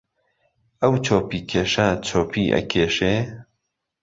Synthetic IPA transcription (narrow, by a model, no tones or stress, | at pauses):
ɐwt͡ʃʰoːpiːkʰeːʃat͡ʃʰoːpʰiːʔɐ̰kʰeːʃeː